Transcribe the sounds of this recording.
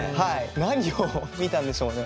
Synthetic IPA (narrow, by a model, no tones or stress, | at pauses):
hainaɲ̟iomʲit̪ãnd̪eɕo̞ːne